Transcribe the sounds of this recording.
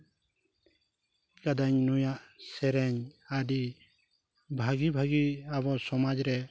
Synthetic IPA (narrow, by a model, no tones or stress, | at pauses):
kad̪aɲnujaʔsɛɾɛɲadi | bʱaɡibʱaɡiabɔsɔmad͡ʒɾɛ